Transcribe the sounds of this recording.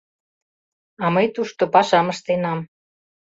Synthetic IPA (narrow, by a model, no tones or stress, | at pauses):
ɑməjt̪uʃt̪opɑʃɑməʃt̪enɑm